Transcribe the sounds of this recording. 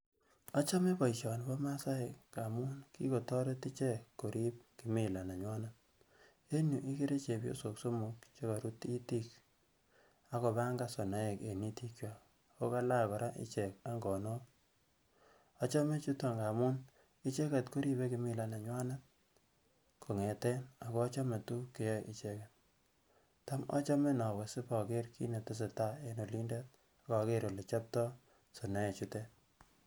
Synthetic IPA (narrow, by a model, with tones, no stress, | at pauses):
a˦t͡ʃɔ˦me˦pɔ˨i˨t͡ʃɔ˨nbɔ˦ma˦sa˦e˨kka˨mʊ˦nki˦ko˨tɔ˦ɾe˦ti˦t͡ʃɛ˦kːo˨ɾʔi˦p̚ki˨mɪ˨la˨na˨ɲwa˦na˦t̚ | e˦nju˨ʔi˦ki˦ɾe˦t͡ʃe˨pjo̰˦so˨kso˦mu˨kt͡ʃo˦ka˨ɾu˦ti˦ti˦k | a˦kɔ˨ba˦ŋɡa˦so˨na˦e˨ke˨ni˦ti˦kjɔ˨ | o˦ka˦la˦˨kɔ˨ɾʔa˦ʔɪ̰˦t͡ʃɛ˨ka˦ŋɡɔ˨nɔ˦p̚ | ɔ˦t͡ʃɔ˦me˦t͡ʃu˦tɔ˦˨ŋɡa˨mu˦n | ɪ˦t͡ʃe˦ka˨tko˦ɾi˦be˦kɪ˨mɪ˦la˨na˨ɲwa˦na˦t̚ | kʰo˨ŋe˨tɛ˦na˨kɔ˦t͡ʃɔ˦me˨tu˦ke˦jɔ˦jʔi˨t͡ʃe˦ka˨t | ta˦mɔ̰˦t͡ʃɔ˦me˦na˨we˨sɪ˦pɔ˨ke˦ɾki˦ne˨te˦s̬e˨ta˦e˦no˨li˦nde˦t̚ | a˨kɔ˨ke˦ɾo˨le˨t͡ʃɔ˦p̚tɔ˦ | sɔ˨na˦e˨t͡ʃu˦te˦